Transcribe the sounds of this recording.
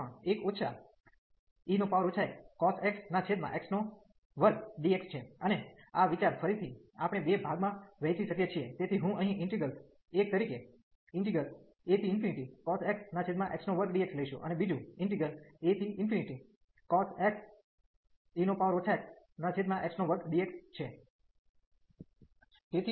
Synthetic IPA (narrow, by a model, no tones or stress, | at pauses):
ekoːt͡ʃʰa | inopaʋəɾot͡ʃʰaekkɔseksnat͡ʃʰed̪mã̰ʔeksno | ʋəɾɡɖiekst͡ʃʰeəneaʋit͡ʃaɾfʰəɾit̪ʰiapɽ̃ebebʱaɡmãʋɛjt͡ʃiʃəkjet͡ʃʰiet̪et̪ʰiɦũʔəɦĩʔɪɳʈiɡəl | ek̚t̪əɾike | ɪɳʈiɡəl | et̪iːnpʰiniʈikɔseksnat͡ʃʰed̪mãʔeksnoʋəɾkɖiek̚sləiʃṵ̃ʔə̰nebid͡ʒũɪɳʈiɡəlet̪iʔɪnfiniʈi | kɔseks | inopaʋəɾot͡ʃʰaeks | nat͡ʃʰed̪mãʔeksnoʋəɾɡɖiekst͡ʃʰe | t̪et̪ʰi